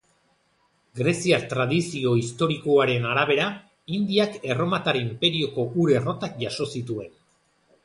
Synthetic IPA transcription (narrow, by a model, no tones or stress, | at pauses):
ɡɾe̞siaɾt̪ɾaðisio̞ist̪o̞ɾiko̞aɾe̞naɾaβ̞e̞ɾa | ind̪iake̞ro̞mat̪aɾimpe̞ɾio̞ko̞ʔuɾe̞ro̞t̪ak̚ʝaso̞sit̪ue̞n